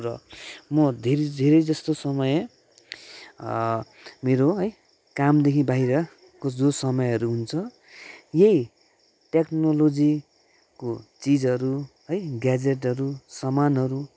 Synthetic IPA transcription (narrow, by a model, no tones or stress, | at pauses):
ɾʌmʌd̪ʱeɾed̪ʱeɾʌjd͡zʌst̪osʌmʌj | meɾoɦʌj | kamd̪ekʰibʱaiɾʌ | kod͡zosʌmʌjʌɾuɦunt͡sʰʌ | jei | ʈeknolod͡zi | kot͡sid͡zʌɾu | ɦʌjɡad͡zeʈʌɾusʌmanɦʌɾu